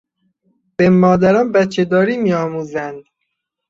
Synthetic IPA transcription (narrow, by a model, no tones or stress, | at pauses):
b̥emːɒːd̪æɾɒːnbæt̪t͡ʃʰed̪ɒːɾiːmiːɒːmuːzænd̪